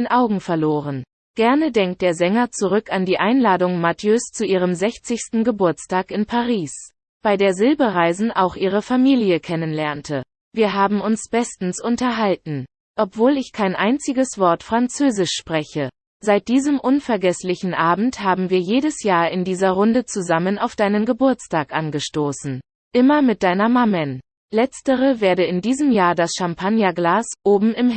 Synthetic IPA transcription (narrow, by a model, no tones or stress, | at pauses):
nʔaʊɡŋ̩fɛɐloːʁən | ɡ̥ɛɐnədɛŋk̚t̚d̥eːɐzɛŋɐt͡suʁʏkandiːʔaɪnlaːdʊŋmatjøst͡suʔiːʁ̞əmzɛçt͡sɪçstn̩ɡəbʊɐt͡staːkɪnpʰaʁiːs | b̥aɪdeːɐzɪlbəʁaɪzn̩ʔa̰ʊxʔiːʁəfamiːljəkʰɛnənlɛɐntʰə | viːɐɦaːbm̩ʊnsb̥ɛstn̩sʊntɐɦaltn̩ | ʔɔpv̥oːlɪçkʰaɪnʔaɪnt͡sɪɡəsv̥ɔɐtfʁ̥ant͡søːzɪʃʃpʁ̥ɛçə | z̥aɪt̚d̥iːzəmʔʊnfɛɐɡɛslɪçn̩ʔaːbm̩thaːbm̩viːɐjeːɾəsjaːɐɪndiːzɐʁʊndət͡suzamənaʊfd̥aɪnənɡəbʊɐt͡staːkʔanɡəʃtoːsn̩ | ʔɪmɐmɪt̚d̥aɪnɐmamɛn | lɛt͡stəʁəveːɐɾəɪndiːzəmjaːɐdasʃampʰanjaɡlaːsʔoːbm̩ɪm